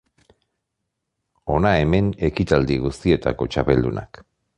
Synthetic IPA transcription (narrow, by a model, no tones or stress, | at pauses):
o̞nae̞me̞ne̞kit̪ald̪iɣ̞ust̪ie̞t̪a̰ko̞t͡ʃape̞ld̪una̰k